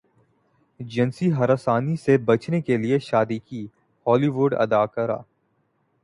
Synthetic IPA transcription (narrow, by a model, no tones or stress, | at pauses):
d͡ʒɐnsiɦɐɾəsaːnisebɐt͡ʃnekelieʃaːd̪ikiː | hɔːliʋʊːɖɐ̰d̪aːkɐɾa̰ː